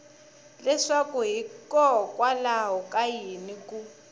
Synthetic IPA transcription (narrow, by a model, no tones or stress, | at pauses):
lɛʂakuɦikʼɔkʼwalaɦɔkʼajinikʼu